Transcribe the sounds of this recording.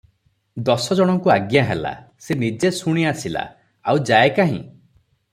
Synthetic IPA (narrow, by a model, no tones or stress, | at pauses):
d̪ɔsɔd͡ʒɔɽ̃ɔŋkuaɡjaɦela̰senid͡ʒesuɽ̃iasila̰ | awd͡ʒaekaɦḭ̃